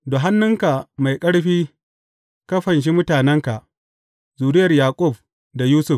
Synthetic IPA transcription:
do˨ɦa˦nːʊ˦ŋka˨ma˨jkʼɐ˦ɽɸiː˦ | kɐ˦ɸɐ˨nʃ̬i˦mʊ˦taː˨nɛ˦ŋka˨ʔ | zuː˨ɾɪ˦jɐ˨rjaː˨kʷʼʊ˦˨b̚ | da˨juː˦sʊ˦˨f

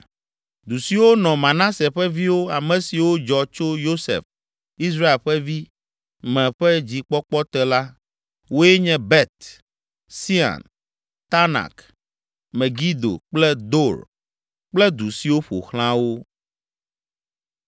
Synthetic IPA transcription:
d̪u˨si˨wo˦nɔ̃˨mã˨nã˦se˨ɸɛ˦vi˦wo˦a˨mɛ̃˨si˨wo˦d͡ʒɔ˨t͡ʃo˦jo˦sḛ˨f | i˦s̬ɾa˦e˨lɸɛ˦vi˦ | mɛ̃˨ɸɛ˦d͡ʑi˨k͡pɔ˦k͡pɔ˦t̪ɛ˦la˦ | wo˦jɛ˦ɲɛ̃˦bɛ˦t̪ | si˦a̰˨n | t̪a˦na̰˨k | mɛ̃˨ɡi˦d̪o̰˨k͡plɛ˦d̪o˦ɾ | k͡plɛ˦d̪u˨si˨wo˦ɸo̰˨xl̃ã˦wo˦

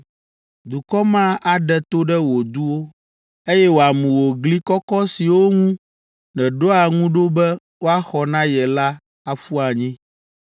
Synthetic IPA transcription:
d̪u˨kɔ˦mã˦ʔa˨ɖɛ˨t̪o˦ɖɛ˦wo˨d̪u˦wo˦ | e˦jɛ˦wo˨a˨mũ˨wo˨ɡli˦kɔ˦kɔ˦si˨wo˦ŋũ˦ | nɛ̃˨ɖo˦a˨ŋũ˦ɖo˦bɛ˦ | wo˦a˦xɔ˨nã˦jɛ˨la˦ | a˨fu˦a˨ɲĩ˦

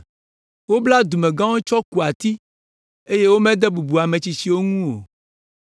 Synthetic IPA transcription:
wo˦bla˦d̪u˨mẽ˨ɡã˦wo˦t͡ʃɔ˦ku˨a˨t̪i˦ | e˦je˦wo˦mɛ̃˦d̪ɛ˦bu˨bu˨a˨mẽ˨t͡ɕi˨si˨wo˦ŋũ˦o̰˨

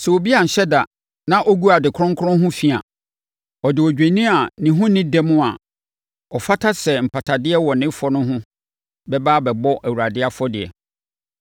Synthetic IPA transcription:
sɛ˨wo˨bi˦a˨n̩˨ɕɛ˦da˨ | nã˦ʔɔ˦ɡu˦a˨dɪ˨kʰɾʊ̃˦ŋkʰʊ˦ɾʊ̃˦ɦʊ̃˦fi˦˨a̰˨ | ɔ˨dɪ˨ɔ˨d͡ʑᶣẽ˨nĩ˦a˨nɪ̃˨ɦʊ̃˦nɪ̃˦dɛ˦mʊ̃˦a̰˨ | ɔ˨fa˦tʰa˦sɛ˨m̩˨pʰa˨tʰa˨dɪ˦ɛ˦wɔ˨nɪ̃˦fɔ˦nʊ̃˦ɦʊ̃˦ | bɛ˦baː˦bɛ˨bɔ˦ʔæ˨wu˨ɾa˨dɪ˦a˦fɔ˦dɪ˨ɛ̰˨

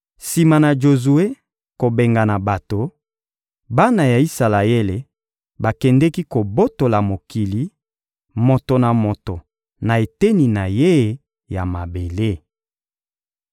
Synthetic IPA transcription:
si˨ma˨na˨ʒo˨zu˨e˦ | ko˨be˨ŋɡa˨na˨ba˨to˨ | ba˦na˨ja˨i˦sa˨la˨e˦le˨ | ba˨kɛ˨ndɛ˦ki˦ko˨bo˦to˨la˨mo˨ki˨li˨˦ | mo˨to˨na˨mo˨to˨ | na˨e˨te˦ni˨na˨je˦ | ja˨ma˨be˨le˦

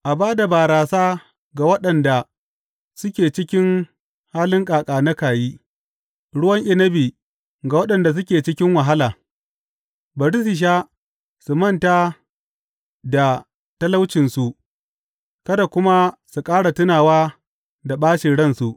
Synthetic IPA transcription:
ʔa˨baː˦da˨baː˨ɾaː˨saː˦ | ɡa˨wɐ˦ɗɐ˨nda˨ | sʊ˦kʲeː˨t͡ʃɪ˦kʲɪ˦ŋ | haː˦lɪ˦ŋkʼaː˨kʼaː˨nɐ˦kaː˨jiː˦ | ɽʊ˦wɐ˦ŋʔɪ˦nɐ˦biː˨ | ɡa˨wɐ˦ɗɐ˨nda˨s̬ʊ˦kʲeː˨t͡ʃɪ˦kʲɪ˦ŋwa˨ɦa˦laː˨ | bɐ˨ɽɪ˦sɪ˨ʃ̬aː˦ | su˨mɐ˦˨nta˦ | da˨ | tɐ˦la˦wt͡ʃɪ˨nsu˨ʔ | kɐ˦da˨kʷʊ˦ma˦su˨kʼaː˦ɽa˨tʊ˦naː˨waː˦ | da˨ɓaː˦ʃi˨ɽɐ˦nsu˨ʔ

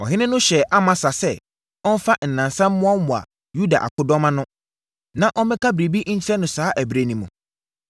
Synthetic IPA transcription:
ɔ˨ɦɪ̃˦nɪ̃˦nʊ̃˦ɕɛ˨ʔa˦mã˨sa˨sɛ˦ | ɔ˦n̩˦fa˦n̩˨nã˨nsã˦m̩ː˦ʊ̃˦ɔ˦mʊ̃˨a̰˨ | ju˦da̰˨ʔa̰˨kʰʊ˦dɔ̃˦mã˦nʊ̃˦ | nã˨ʔɔ˦mɪ̃˦kʰa˦bɾi˨bi˦ɲ̩˦t͡ɕʰɪ˦ɾɛ˦nʊ̃˨saː˦ʔæ˨bɾe˨nĩ˨mũ˨

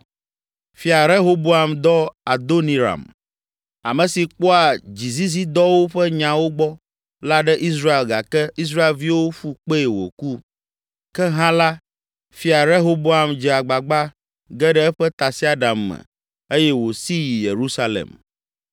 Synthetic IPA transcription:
fi˨a˨ɾe˦ɦo˦bo˦a˨md̪ɔ˦a˨d̪o˦nĩ˨ɾa̰˨m | a̰˨mɛ̃˨si˨k͡pɔ˦a˨d͡ʑi˨zi˦zi˦d̪ɔ˦wo˦ɸɛ˦ɲã˨wo˦ɡ͡bɔ˦ | la˦ɖɛ˦ʔi˦s̬ɾa˦e˨lɡa˨kɛ˦i˦s̬ɾa˦e˨lvi˦wo˦ɸu˦k͡pe˦e˨wo̰˨ku˦ | kɛ˦ɦã˦la˦ | fi˨a˨ɾe˦ɦo˦bo˦a˨md͡ʒɛ˨a˨ɡ͡ba˨ɡ͡ba˦ | ɡɛ˦ɖɛ˦ɛ˦ɸɛ˦t̪a˨si˦a˦ɖa˨mːɛ̰˨ | e˦jɛ˦wo˨si˦ji˨je˨ɾu˦sa˦lḛ˨m

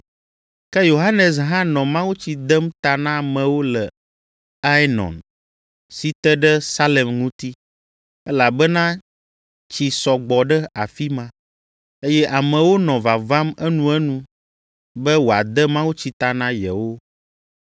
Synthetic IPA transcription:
kɛ˦jo˨ɦa˦nɛ˨s̬ɦã˦nɔ̃˨mã˦wu˦t͡ɕi˨d̪ɛ˦mt̪a˨nã˦mɛ̃˨wo˦lɛ˨ | a˦nɔ̰̃˨n | si˨t̪ɛ˦ɖɛ˦sa˦lɛ˨mŋũ˦t̪i˦ | ɛ˦la˨bɛ˦nã˦ | t͡ɕi˨sɔ˨ɡ͡bɔ˨ɖɛ˦a˨fi˦mã˦ | e˦jɛ˦ʔa˨mɛ̃˨wo˦nɔ̃˨va˨va˦mɛ˦nũ˦ɛ˦nũ˦ | bɛ˦wo˨a˨d̪ɛ˦mã˦wu˦t͡ɕi˨t̪a˨nã˦jɛ̰˨wo˦

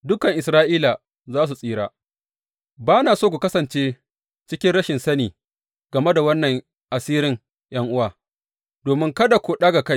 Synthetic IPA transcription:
dʊ˦kɐ˨ŋʔɪ˨sɾaː˦ʔiː˦la˨ | zaː˦s̬u˨sʼiː˦ɽaː˦ | baː˦naː˨soː˦k̬ʷu˨kɐ˦sɐ˨nt͡ʃeː˦ | t͡ʃɪ˦kʲɪ˦nɽɐ˦ʃɪ˨nsɐ˦niː˨ | ɡ̥ɐ˨me˦da˨wɐ˦nːɐ˨ŋ | ʔa˨siː˦ɾɪ˦ŋ | jɐ˦ŋʔʊ˦waː˨ | doː˨mɪ˦ŋkɐ˦da˨kʷoː˨ɗaː˦ɡa˨ka˦j

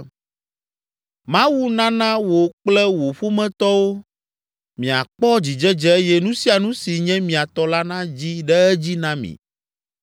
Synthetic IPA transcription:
mã˦wu˦nã˦nã˦wo˨k͡plɛ˦wo˨ɸo˦mɛ̃˦t̪ɔ˦wo˦ | mĩ˨a̰˨k͡pɔ˦d͡ʑi˨d͡ʒɛ˦d͡ʒɛ˦e˦jɛ˦nũ˦si˦a˨nũ˦si˨ɲɛ̃˦mĩ˨a˨t̪ɔ˦la˦nã˦d͡ʑi˦ɖɛ˦ɛ˦d͡ʑi˦nã˦mḭ̃˨

